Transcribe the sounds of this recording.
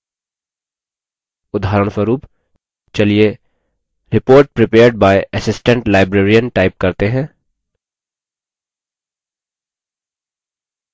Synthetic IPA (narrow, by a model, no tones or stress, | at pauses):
ʊd̪ʱaːɾəɳ̃səɾuːp | t͡ʃɐlie | ɾɪpoːɾʈ̚pɾɪpeːɾɖbaːɪəsɪsʈə̃ɳʈlaːɪbɾeːɾijə̃nʈaːɪp̚kɐɾt̪eɦɛ̃ː